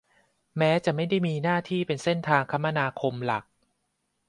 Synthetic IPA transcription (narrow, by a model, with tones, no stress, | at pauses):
mɛː˦˥t͡ɕa˨˩ʔma˥˩jda˥˩jmiː˧naː˥˩t̪ʰiː˥˩pe˧nse˥˩nt̪ʰaː˧ŋkʰa˦˥mːa˧naː˧kʰo˧mla̰˨˩k̚